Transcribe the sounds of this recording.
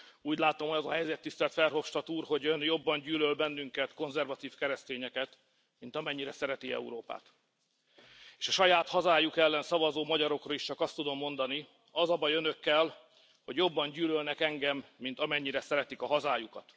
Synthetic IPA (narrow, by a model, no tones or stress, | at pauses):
uːɟlaːt̪omɒɒzɒɦɛjzɛt̪ːist̪ɛlt̪fɛrɦo̞fʃt̪ɒt̪uːrho̞ɟønjo̞bːɒɲɟyːlølbɛnːyŋkɛt̪ko̞nzɛrvɒt̪iːfkɛɾɛst̪eːɲɛkɛt̪ | mint̪ɒmɛɲːiɾɛsɛɾɛt̪iɛ̰ṵɾoːpa̰ːt̪ | eːʃɒʃɒjaːt̪hɒzaːjukɛlːɛnsɒvɒzoːmɒɟɒɾo̞krɒiʃt͡ʃɒkɒst̪ud̪o̞mːo̞nd̪ɒni | ɒzɒbɒjønø̞kːɛl | ho̞ɟjo̞bːɒɲɟyːlølnɛkɛŋɡɛmːint̪ɒmɛɲːiɾɛsɛɾɛt̪ikɒɦɒzaːjukɒt̪